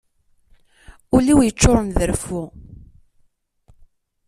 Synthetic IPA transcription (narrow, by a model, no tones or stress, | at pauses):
ʊliwjət͡ʃːoɾˤənðəɾfu